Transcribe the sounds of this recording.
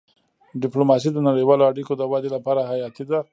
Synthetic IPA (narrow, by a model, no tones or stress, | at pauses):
ɖɪplomɑs̬id̪ənaɽəjwɑloaɽikod̪əwad̪elapɑɾahajɑt̪id̪a